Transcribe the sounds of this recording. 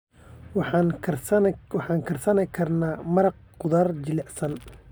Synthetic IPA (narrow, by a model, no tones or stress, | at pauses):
wɑn | wɑħɑːŋkʰɐrsɐnɛkʰɐrnaːmɐɾɑq̚qʊðɐrd͡ʒɪlɛʕsɐn